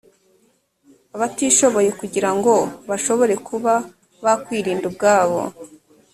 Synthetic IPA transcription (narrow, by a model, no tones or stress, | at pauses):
aβatiːʃo̞βo̞je̞kuɟiɾaŋɡo̞βaʃo̞βo̞ɾe̞kuβa | βakwiːɾiːndub̚ɡaːβo̞̰